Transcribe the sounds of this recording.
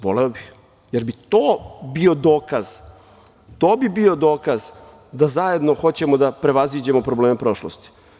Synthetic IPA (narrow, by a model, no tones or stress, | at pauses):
ʋo̞̰leobix | jeɾbit̪oːbio̞d̪o̞ːkaz̥ | t̪oːbibio̞d̪o̞ːkaz | d̪azaje̞d̪no̞xo̞t͡ɕe̞mod̪apɾe̞ʋazid͡ʑe̞mopɾobleːmepɾo̞ʃlo̰st̪i̥